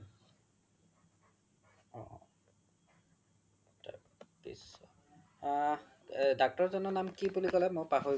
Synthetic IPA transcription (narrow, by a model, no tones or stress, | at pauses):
ɔ̰̃ | ta̰ | dḭsɔ | dak̚tɔɹzɔnɔnamkibulikɔlɛmojpaɦo